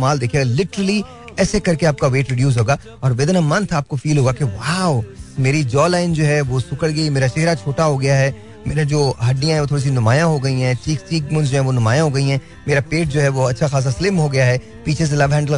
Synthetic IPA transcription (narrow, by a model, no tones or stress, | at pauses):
maːld̪eːkʰijeːɡalɪʈəɾəli | ɛːsekɐɾkeaːp̚kaʋeːʈɾɪɖjuːs̬ɦoːɡaː | ɔːɾʋeːd̪namɐ̃nt̪ʰaːp̚kofiːlɦoːɡakeʋaːʊmeːɾid͡ʒɔːlaːɪnd͡ʒoːɦɛʋosʊkəɽɡɐimeːɾat͡ʃeɦɾat͡ʃʰoːʈaɦoɡɐjaɦɛ | meːɾed͡ʒoːɦɐɖːijãɦɛʋot̪ʰoːɾis̬inʊmaːjãɦoɡɐiɦɛ̃ːt͡ʃiːkt͡ʃiːk̚mʊ̃nd͡ʒoːɦɛ̃ʋonʊmaːjãɦoɡɐiɦɛ̃ː | meːɾapeːʈ̚d͡ʒoːɦɛʋoɐtːʃʰaxaːs̬aslɪmɦoɡɐjaɦɛ | piːt͡ʃʰes̬elɐʋɦɛ̃ːɳɖəl